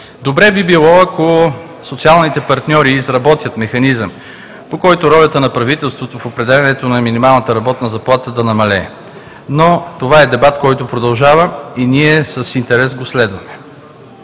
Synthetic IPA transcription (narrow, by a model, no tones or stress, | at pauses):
d̪obɾɛbibilˠɔɐko | sot̪sialˠnit̪ɛpɐɾt̪nʲɔɾiːzɾɐbɔt̪jət̪mɛxɐnizəm | pokɔjt̪oɾɔlʲət̪ənɐpɾɐvit̪ɛlˠst̪vot̪ofopɾɛd̪ɛlʲɛnɛt̪onɐminimalˠnət̪əɾɐbɔt̪nəzɐplˠat̪əd̪ɐnɐmɐlɛ | not̪ovaɛd̪ɛbat̪kɔjt̪opɾod̪ɐlˠʒavəiniɛsəsint̪ɛɾɛsɡoslɛd̪vɐmɛ